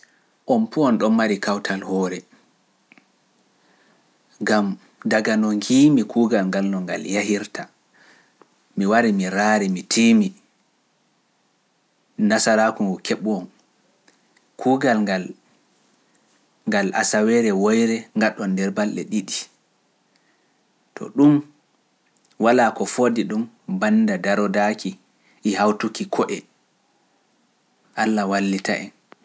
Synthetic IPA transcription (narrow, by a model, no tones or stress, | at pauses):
ʔɔnpuɔnɗɔnmaɾikʰawtʰalhɔɾɛ | ŋɡam | daɡanɔŋɡiːmikʰuːɡalŋɡalnɔŋɡa̰ljahiɾta | miwaɾimiɾaɾimitʰiːmi | nasaɾakuŋɡɔkʰeɓuɔn | kʰuːɡalɡal | ŋɡalʔa̰sawɛɾɛwojɾɛŋɡaɗːɔndɛɾbalɗɛ̰ɗiɗi | tʰɔ̰ɗum | walakɔfodiɗum | bandadaɾɔdakʰi | ʔːhawtukikʰɔʔɛ | ʔalːawalːitaʔɛ̰n